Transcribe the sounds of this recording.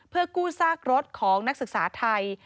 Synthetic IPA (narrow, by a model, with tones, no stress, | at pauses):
pʰɯː˥ɐəkuː˥˩saː˥˩k̚ɾo˦˥t̪̚kʰɔː˩˦ŋna˦˥k̚sɯ˨˩k̚saː˩˦t̪ʰa˧j